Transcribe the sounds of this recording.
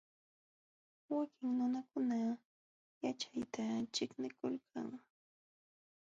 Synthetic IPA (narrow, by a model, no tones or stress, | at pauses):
wakɪŋnʊnakʊna | jat͡ʃajt̪at͡ʃɪknɪkʊlkʰa̰ŋ